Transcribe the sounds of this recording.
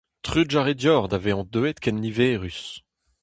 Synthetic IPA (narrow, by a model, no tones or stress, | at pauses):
t̪χyd͡ʒaʁed̪jɔʁd̪aveɑ̃d̪øɛt̪kɛnːiveːʁys